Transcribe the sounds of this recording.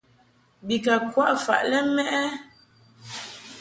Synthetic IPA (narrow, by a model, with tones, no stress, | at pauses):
bi˨ka˨kwa˦ʔfa̰˨ʔlɛ˦mɛ˦ʔɛ˦